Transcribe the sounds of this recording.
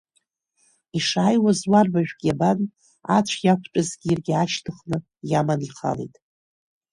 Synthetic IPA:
iʂaːjwazwarbaʒᶣɡʲaban | a̰t͡ɕʷʰjakʷʰt͡ʃʷʼazɡʲirɡʲɪaʃtʰɨχnɨ | jamaniqʰa̰lḛjtʼ

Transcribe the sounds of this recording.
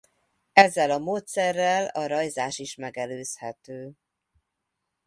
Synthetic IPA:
ɛzːɛlɒmoːt̪sɛrːɛlɒɾɒjzaːʃiʃmɛɡɛløːshɛt̪øː

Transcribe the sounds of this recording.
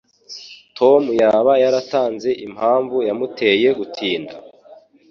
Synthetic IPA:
tʰo̞mujaːβajaɾataːnze̞ʔim̥haːɱvujamutʰe̞je̞ɡutʰiːnda̰

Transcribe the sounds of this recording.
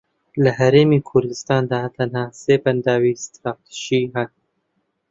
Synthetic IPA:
laɦaɾemikʰʊɾd̪ɪst̪ɑːnd̪at̪anhɑːsepand̪ɑːwist̪ɾɑt̪ʃiɦa

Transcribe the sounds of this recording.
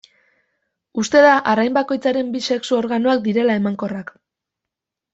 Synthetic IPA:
ust̪e̞ðaʔaɾajmbako̞jt͡saɾe̞mbise̞ksuo̞ɾɣano̞ak̚d̪iɾe̞lae̞maŋko̞rak

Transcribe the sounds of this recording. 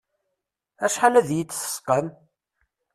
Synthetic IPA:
æʃħalæðjit͡sːθə̥sqəm

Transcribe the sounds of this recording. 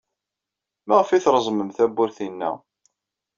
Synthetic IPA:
mæʁəfiθɾˤəzˤməmθæbːʊɾθinːæ̰

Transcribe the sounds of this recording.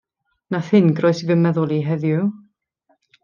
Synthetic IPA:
naθɨnɡrɔɨsivəmɛðʊlˠiɦɛðjʊ

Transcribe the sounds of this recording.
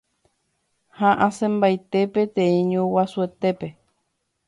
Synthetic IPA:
hãʔãsẽmbajt̪epet̪ẽĩɲũwasuet̪epe

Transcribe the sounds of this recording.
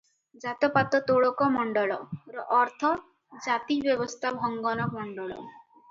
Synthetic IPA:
d͡ʒat̪ɔpat̪ɔt̪oɭɔkɔmɔɳɖɔɭɔɾɔʔːɾt̪ʰɔ | d͡ʒat̪ibjɔbɔst̪ʰabʱɔŋɡɔnɔmɔɳɖɔɭɔ̰

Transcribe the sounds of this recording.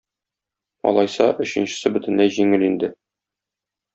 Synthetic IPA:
ɒ̰lˠɑjsɑʔɵ̆ɕɘ̆nɕɘ̆sɘbɵ̆t̪ɘ̆nlæjʑiŋɘlind̪ɘ

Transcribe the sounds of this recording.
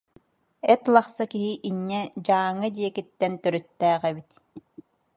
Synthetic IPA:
ɛt̪lˠaχsakiɦiʔinːɛd͡ʑaːŋːɯd̪iɛkit̪ːɛnt̪œɾyt̪ːæːʁɛbit̪

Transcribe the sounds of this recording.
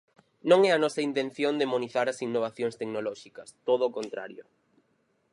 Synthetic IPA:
nõŋɛɐnɔsɐint̪en̟θjond̪emoniθaɾɐsiŋnːoβ̞aθjõŋst̪eknolɔʃikɐst̪oðʊːkont̪ɾa̰ɾjʊ

